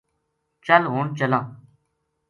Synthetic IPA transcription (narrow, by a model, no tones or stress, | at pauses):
t͡ʃəlɦoːɳt͡ʃəlãː